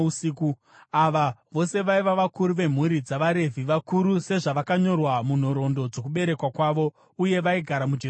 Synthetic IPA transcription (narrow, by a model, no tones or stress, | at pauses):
usiku | aʋaʋo̞se̞ʋaiʋaʋakuɾuʋe̞m̤uɾid͡zaʋaɾe̞vʱiʋakuɾuse̞ʐaʋakaɲo̞rwamun̤o̞ɾo̞ndo̞d͡zo̞k̬uɓe̞ɾe̞kwakwaʋo̞ | uje̞ʋaiɡʱaɾamud͡ʒe